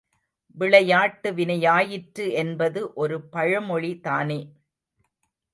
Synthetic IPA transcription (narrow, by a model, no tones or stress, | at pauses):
ʋɪɭɐjaːʈːɯʋɪnɐjaːjɪʈɾɯɛnbɐðɯʔɔɾɯpɐɻɐmɔɭit̪aːneː